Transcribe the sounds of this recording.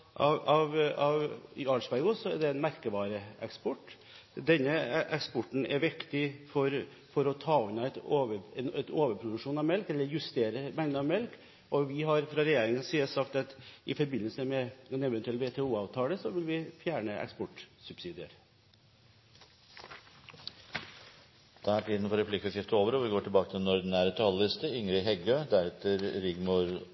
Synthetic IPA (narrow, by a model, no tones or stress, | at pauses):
ʔɑɑʋɑʋɑʂbæɪɡʊsɔɛɖ̪ɛɛnmæɾkəʋɑːɾəɛkspɔʈː | d̪ɛnːəʔɛkspɔʈːn̩ɛɾʋɪkt̪ɪfɔɾ | fɔɾɔt̪ʰɑːɔnːɑɛt̪oʋəɛnɛt̪oːʋəɾpʰɾʊd̪ʉkʂuːnɑʋmɛlkɛlːəɾjʉst̪eːɾəmɛŋd̪əɑʋmɛlk | ɔʋɪɦɑɾfɾɑɾɛjeːɾɪŋənsiːəsɑkt̪ɑt̪ʔɪfɔɾbɪnːəlsəmɛɛnɛʋɛnt̪ʉɛlʋeːt̪ʰɛːuːɑːʋt̪ʰɑːləsɔʋɪlʋɪfjæːɳəʔɛ̰kspɔʈsʉbsiːd̪ɪə̰ɾ | d̪̥ææʈʰiːd̪n̩fɔɾɛplɪkɑsʰɪft̪əoːʋəɾɔʋɪɡoːʈʰɪlbɑːkət̪ʰɪlnɔɾd̪ɪnæːɾət̪ʰɑlɪst̪əʏŋɾɪɦɛɡøːd̪æɾɛt̪əɾɾɪɡmuɾ